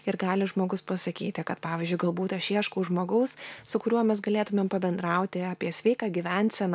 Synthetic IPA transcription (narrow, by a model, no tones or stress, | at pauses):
ɪɾɡɑːlʲɪʒmoːɡʊspɐsɐkʲiːt̪ʲɪkɐt̪pɑːʋʲiːzʲd͡ʒʲʊɪɡɐlˠbuːt̪ʲɐʃʲiɛʃkuːʒmoːɡɐʊssʊkʊɾʲuɔmʲɛsɡɐlʲeːt̪ʊmʲempɐbʲɛnd̪ɾɐʊt̪ʲɪɑːpʲiɛsʲʋʲɛɪkɑːɡʲiʋʲɛnʲt̪ʲsʲɛn